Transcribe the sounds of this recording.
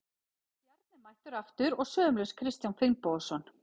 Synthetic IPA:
jaɾt̪̚nɪmajht̪ʏɾaft̪ʏɾɔɣsœːʏmlɛskʰɾɪst̪jawnfɪlmpɔðsɔn

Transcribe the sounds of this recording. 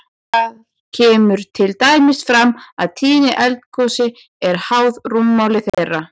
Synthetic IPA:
að | cʰɛːmʏɾ̥t̪ʰɪlt̪aːjmɪsfɾamːaðt̪ʰiːnɪʔɛlt̪kʰɔsɪ | ɛɾ̥hawðrumːawlɪθeðra

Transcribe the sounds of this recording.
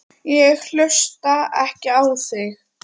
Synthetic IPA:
jɛɣl̥œst̪aɛhcɪaθɪx

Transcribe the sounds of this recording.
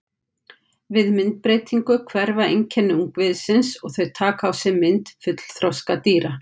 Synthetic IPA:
vɪðmɪnt̪̚pɾeːjt̪iŋkʏkʰvɛɾvaejɲcʰɛnːʏuŋkvɪðsɪnsɔɣθœɥt̪ʰaːkawsɛmɪnt̪fʏt̪l̥θɾɔwskat̪iːɾa

